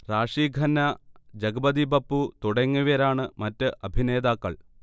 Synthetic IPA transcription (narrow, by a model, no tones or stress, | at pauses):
raːʂiːɡʱɐnːɐd͡ʑɐɡɐbɐd̪ibɐpːut̪uɽɐŋːuʋɐɾaːɳɨmɐtːɨʔɐbʱine̞ːd̪aːkːɐɭ